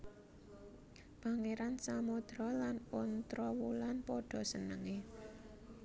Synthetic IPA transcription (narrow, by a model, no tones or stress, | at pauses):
paŋeɾansamod̪̥ɾɔlanont̪ɾɔwulanpɔɖ̥ɔ̤sənəŋe